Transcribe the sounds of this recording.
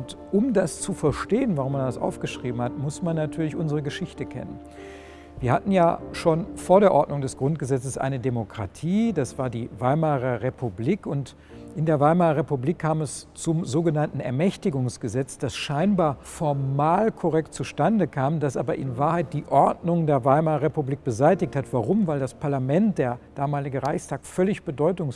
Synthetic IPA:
ntʔʊmdast͡sufɛɐʃteːənvaʁ̞ʊmandasʔa̰ʊfɡ̥əʃʁ̥iːbm̩hatmʊsmanːatʰyːɐlɪçʔʊnzəʁ̞əɡəʃɪçtəkʰɛ̰nə̰n | viːɐhatn̩jaːʃoːnfoːɐɾeːɐʔɔɐtnʊŋdɛsɡ̥ʁʊnt̚ɡ̥əzɛt͡səsʔa̰ɪnədemokʁ̥a̰tʰiːdasv̥aːɐdiːvaɪmaːʁɐʁepubliːkʊnt | ʔɪndeːɐvaɪmaːʁɐʁepubliːkʰːaːmɛst͡sʊmzoːɡənantn̩ɛ̰ɐmɛçtɪɡʊŋsɡ̥əzɛt͡sd̥asʃaɪnbaːɐfɔɐmaːlkʰɔʁɛk̚t̚t͡suʃtandəkʰaːmdasʔaːbɐʔɪ̰nvaːɐhaɪt̚d̥iːʔɔɐdnʊŋdeːɐvaɪmaːɐʁepubliːk̚b̥əzaɪtɪçthatv̥aʁʊmvaɪldaspʰaɐlamɛnt̚d̥eːɐd̥aːmaːlɪɡəʁaɪçstʰaːkfœlɪçb̥ədɔʏtʊŋs

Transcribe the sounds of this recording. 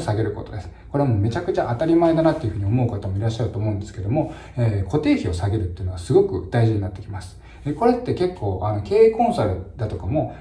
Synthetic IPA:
saɡe̞ɾɯ̟ko̞t̪o̞d̪e̞sɨ̥ko̞ɾe̞amoːme̞t͡ɕakɯ̟t͡ɕaʔat̪aɾʲimaed̪anat̪ːe̞jɯ̟ɸɯ̟ɲ̟io̞mo̞ɯ̟kat̪amo̞iɾaɕːaɾɯt̪o̞ːmo̞ɯ̃nd̪e̞sɨ̥ke̞d̪o̞mo̞ | eːko̞t̪e̞ːçio̞saɡe̞ɾɯ̟t̪ːeɯ̟no̞asɨɡo̞kɯ̟̰d̪̥aiʑiɲ̟inat̪ːe̞kʲimasɨ̥ | eko̞ɾe̞t̪ːe̞ke̞kʰːo̞ːʔano̞ke̞ːikõ̞ñsaɾɯ̟d̪at̪o̞kamo̞

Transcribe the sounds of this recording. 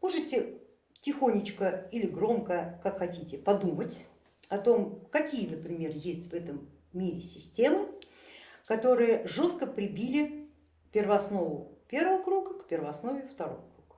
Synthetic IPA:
moʐɨtʲɪ | tʲɪxonʲɪt͡ɕkəilʲɪɡɾo̞mkəkakxɐtʲitʲɪpɐd̪umətʲ | ɐt̪o̞mkɐkʲijənəpɾʲɪmʲe̞rjesʲtʲvɛt̪əmːʲ | iɾʲɪsʲɪsʲtʲe̞mɨ | kɐt̪o̞ɾɨjəʐo̞st̪kəpɾʲɪbʲilʲɪ | pʲɪrvɐɐsno̞vʊpʲe̞rvəvəkɾuɡəkpʲɪrvəɐsno̞vʲɪft̪ɐɾo̞̰vəkɾuɡ̥ə̥

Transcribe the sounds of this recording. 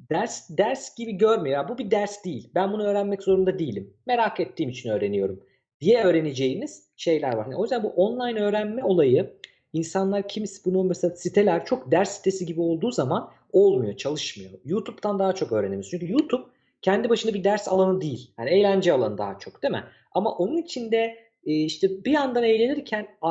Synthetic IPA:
d̪̥æɾsd̪æɾsɟ̥ibiɟøɾmijojabubid̪æɾsd̪ijilʲbænbunuø̞ːɾænmɛczo̞ɾund̪ad̪ijilʲimːe̞ɾakʰet̪ʰːiːmit͡ʃʰinø̞ːɾe̞nijo̞ɾum | d̪̥ijɛø̞ːɾe̞ned͡ʒe̞jiniz̥ | ʃe̞jlʲæɾva̰ɾhaniojyzd̪ænbuʔonlˠajnø̞ːɾænmɛo̞lˠajɯ | insanlˠaɾcʰimsbunumeselʲasit̪ʰe̞lʲæɾt͡ʃʰo̞k̚d̪æɾsːi̥t̪ʰe̞siɟibio̞lˠd̪uːzaman | o̞lˠmujo̞t͡ʃʰalˠɯʃmɯjo̞̰jut̪ʰupt̪ʰand̪aːat͡ʃʰo̞kø̞ːɾeneijt͡ʃyɲcʰyjut̪ʰup̚ | cʰɛnd̪ibaʃɯnd̪abid̪æɾsa̰lˠanɯd̪ijilʲhanie̞jlʲænd͡ʒɛalˠanɯd̪a̰ːat͡ʃʰo̞kd̪̥emɛ̰ | ama̰ʔo̞nunit͡ʃʰind̪ɛː | iʃt̪ʰɛbiand̪anejlʲe̞niɾcʰæna

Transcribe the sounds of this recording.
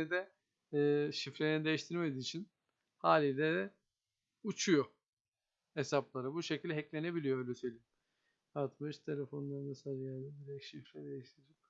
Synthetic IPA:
id̪ɛː | ʃifɾejnid̪e̞jiʃt̪ʰiɾme̞d̪iːt͡ʃʰin | haːlʲilʲɛd̪ɛ | ut͡ʃʰujo | esaplˠaɾabuʃecʰilʲd̪ɛɦɛclʲe̞ne̞bilʲijoøjlʲɛsø̞jlʲiːm | at̪mɯʃt̪ʰe̞lʲefo̞nlˠaɾnasad͡ʒjad̪abiɾɛcʃifɾɛd̪ejiʃt̪ʰiɾid͡ʒik

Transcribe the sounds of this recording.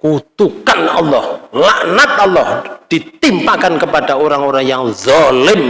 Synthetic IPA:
kut̪ukanɑlːɔhlaʔnat̪̚ʔɑlːɔhd̪̥i̤t̪impakankəpad̥aoɾaŋoɾaŋjaŋzɑlɪm

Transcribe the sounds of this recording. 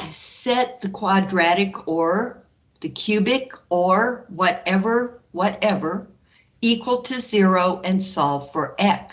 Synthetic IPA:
sɛt̪̚ðɨkʰw̥ɑdɹæɾɨkʰə˞ | ðɨkʰj̥ʉbɪkə˞wʌɾɛvə˞wʌɾɛvə˞ | ikʰwəl̩ˠtʰɨzɪɹoʊʔɨ̃nsɔlˠv̥fə˞ʔɛk

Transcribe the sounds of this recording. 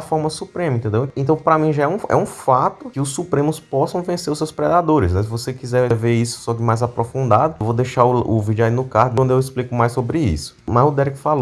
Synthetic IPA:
fɔɾmɐsupɾẽmɐĩt̪ẽd̪ewẽnt̪ɐ̃w̃pɾɐmĩʒaɛũɛ̰ũfat̪ʊkɪʊssupɾẽmʊspɔsɐ̃w̃vẽseɾʊsewspɾɛd̪ad̪oɾɪsnɛs̬ɪvosekizɛɾɛveisʊ̥sɔd͡ʒ̪ɪmajzapɾofũnd̪ad̪ʊewvod̪ejʃaɾʊʊvid͡ʒainʊkaɾt̪d̪ʊewisplikʊmajsobɾɪḭsʊ̥mazʊd̪ɛɾikfalo

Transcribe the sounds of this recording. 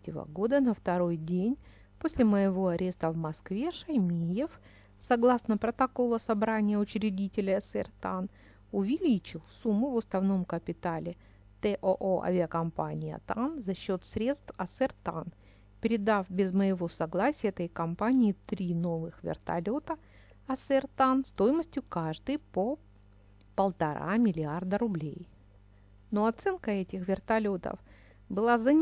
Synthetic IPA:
tʲɪvə̰ɡo̞d̪ənəft̪ɐɾo̞jdʲenʲ | posʲlʲɪməjɪvo̞ɐɾʲe̞st̪əvmɐskvʲe̞ʂɐjmʲijɪf | sɐɡlˠasnəpɾət̪ɐko̞lˠəsɐbɾanʲɪjəʊt͡ɕɾʲɪdʲitʲɪlʲəsɛ̰rt̪an | ʊvʲɪlʲit͡ɕɪlˠsumːʊvʊsnɐvno̞mkəpʲɪt̪alʲɪ | t̪ɛʔʔoʔɐ̰vʲɪɐkɐmpa̰nʲɪjə̰t̪anzɐɕːo̞t̪sɾʲe̞t̪st̪fɐsɛrt̪a̰n | pʲɪɾʲɪd̪afbʲɪzməjɪvo̞sɐɡlˠasʲɪjɛt̪əjkɐmpanʲɪːt̪ɾʲino̞vɨxvʲɪ̰rt̪ɐ̰lʲo̞t̪ə | ɐsɛrt̪anst̪ojməsʲtʲjʊkaʐd̪ɨjpo | pəlˠt̪ɐɾa̰mʲɪlʲɪard̪əɾʊblʲḛj | no̞ɐt̪sɛnkəɛtʲɪxvʲɪrt̪ɐlʲo̞t̪ə̰f | bɨlˠazɐnʲ

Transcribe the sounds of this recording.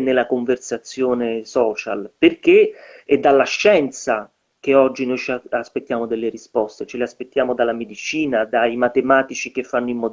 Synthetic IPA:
nelːakoɱversat̪sːjoːnesɔːt͡ʃa̰lperk̟eɛd̪ːalːaʃːɛnt̪sa | k̟eɔd͡ʒːinojt͡ʃaspet̪ːjaːmod̪elːeɾispɔst̪et͡ʃeleaspet̪ːjaːmod̪alːamed̪it͡ʃiːnad̪aimat̪emaːt̪it͡ʃik̟efːanːoimːɔ

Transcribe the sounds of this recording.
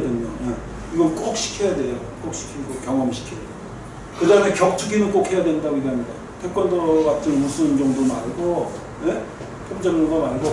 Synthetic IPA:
dwenoje | iɡʌnk͈ok̚ɕ͈ʰi̥kʰʌjadwe̞jok͈ok̚ɕ͈ʰi̥kʰiɡokjʌŋʌmɕʰi̥kʰijadeo | kɯdaɯme̞kjʌk̚tʰuɡinɯnk͈okhe̞jadwe̞ndaɡoiɡeɦamɲida | tʰek͈wʌndʌkatʰɯnmusʰɯnd͡ʑʌŋdomaɭɡo | je̞ | pʰoŋd͡ʑʌŋɯnɡʌmaɭɡo

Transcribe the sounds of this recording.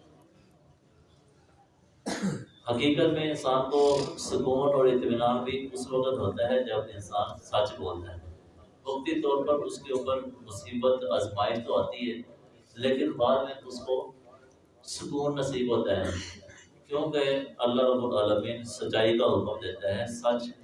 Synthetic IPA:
həkiːkət̪mẽɪnsaːnkosʊkuːnɔːɾɪt̪ːmɪnaːnbʱiʊsʋəkət̪ɦoːt̪aɦɛd͡ʒɐbɪnsaːnsɐt͡ʃboːlt̪aɦɛː | sʊxt̪it̪ɔːɾpəɾʊskeʊpəɾmʊsiːbət̪əzmaːɪʃt̪oaːt̪iɦɛː | leːkɪnbaːd̪mẽʊsko | sʊkuːnːəsiːbɦoːt̪aɦɛ̰ | kjõːkeɐlːaəbʊʈaːləmĩːnsɐʃaːikaɦʊkəmd̪eːt̪aɦɛːsɐt͡ʃ

